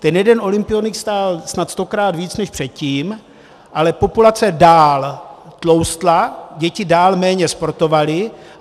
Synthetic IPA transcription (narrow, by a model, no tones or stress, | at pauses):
t̪ɛnjɛdɛnʔo̞lɪmpɪjonɪkst̪aːlsnat̪st̪o̞kɾaːd̪viːt͡snɛʃpr̝̥ɛt̪̚ciːm | ʔalɛpo̞pulat͡sɛdaːlt̪lo̞wst̪laɟɛcɪdaːlmɛːɲɛspo̞ɾt̪o̞valɪ